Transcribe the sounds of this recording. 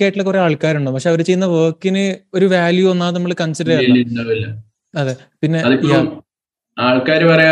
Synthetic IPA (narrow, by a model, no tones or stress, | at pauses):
kːaːjʈːilekure̞aːɭkaːɾuɳɖoːpɐkʂe̞ɐʋɐɾet͡ɕejːunːɐʋəːkːinɨo̞ɾuʋaːljuonːaːnɐmːɐɭɨkɐnsɐɾɐɾaeliɳɖɐːʋilːɐ | ɐðeː | pinːe̞ɐðipːojam | aːɭkaːɾɨpɐrɐja